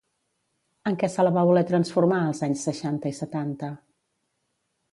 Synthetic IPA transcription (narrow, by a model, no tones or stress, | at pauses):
əŋkɛsələβaβulɛt̪ɾənsfuɾmaəlˠzaɲsːəʃant̪əisət̪ant̪ə